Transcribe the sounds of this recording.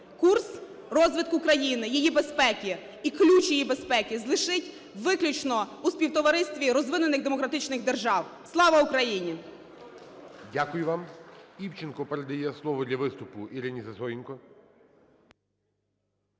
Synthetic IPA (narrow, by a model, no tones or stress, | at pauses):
kurs | rɔzʋɪd̪kukɾɐjinɪjijibe̞spɛkʲiː | klʲut͡ʃjijibespɛkʲizlˠɪʃɪtʲ | ʋɪklʲʊt͡ʃnɔuspʲiwt̪ɔʋɐɾɪsʲt̪ʲʋʲiɾɔzʋɪnʊnɪɣd̪emɔkɾɐt̪ɪt͡ʃnɪɣd̪erʒɑwslˠɑʋɐʊkɾɐjinʲi | dʲakʊjʊʋɑmiwt͡ʃɪnkɔpeɾɐd̪ɐjɛslˠɔʋɔd̪lʲɐʋɪst̪ʊpʊiɾɪnʲizɐzɔjʲinkɔ